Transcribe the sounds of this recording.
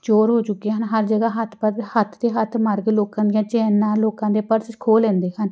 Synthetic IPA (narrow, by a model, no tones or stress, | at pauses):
t͡ʃoːɾɦoːt͡ʃʊkːeːɦənɦəɾd͡ʒəɡaːɦət̪ʰpəhət̪ʰd̪eːɦət̪ʰmaɾɡloːkãːd̪ɪjãːt͡ʃɛːnãːloːkãːd̪eːpəɾskʰoːlɛ̃ːnd̪eːɦən